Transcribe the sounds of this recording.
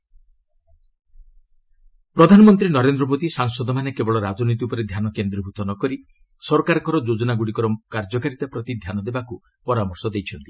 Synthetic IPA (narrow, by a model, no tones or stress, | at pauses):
pɾɔd̪ʱanɔmɔnt̪̬ɾinɔɾend̪ɾɔmod̪isaŋsɔd̪ɔmanekebɔɭɔɾad͡ʒɔnit̪̬iupɔɾed̪ʱjanɔkend̪ɾibʱut̪ɔnɔkɔɾi | sɔɾɔkaɾɔkɔɾɔd͡ʒod͡ʒɔnaɡuɽikɔɾɔkaɾd͡ʒɔkaɾit̪apɾɔt̪id̪ʱjanɔd̪ebaku | pɔɾamɔɾsɔd̪ejt͡ʃʰɔnt̪i̥